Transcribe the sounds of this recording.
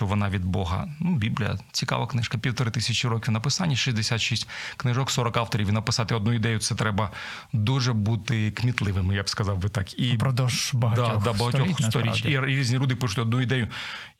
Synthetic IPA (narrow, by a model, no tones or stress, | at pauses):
t͡ʃɔʋɔnɑʋʲid̪̚bɔɦɐ̰nubʲiblʲḭjɐ̰t͡sʲikɑ̰ʋɐknɪʃkɐpʲiwt̪ɔɾɪt̪ɪsʲɐt͡ʃʲiɾɔkʲiwnɐpɪsɑnʲːɐʃizʲd̪esʲat̪ʃisʲtʲknɪʒɔksɔɾɔkɑwt̪ɔɾʲiʋʲinɐpɪsɑt̪ɪɔd̪nuid̪ɛjʊt̪sɛt̪ɾɛbɐ | d̪uʒɛbut̪ɪkmʲit̪lˠɪʋɪmɪjabskɐzɑwbɪt̪ɑkipɾɔd̪ɔʃbɐɦɐd̪ad̪ɐbɐɦɐtʲɔxst̪ɔɾʲit͡ʃiɾɾʲizʲnʲilʲud̪ɪpɪʃʊtʲɔd̪nuid̪ɛjʊ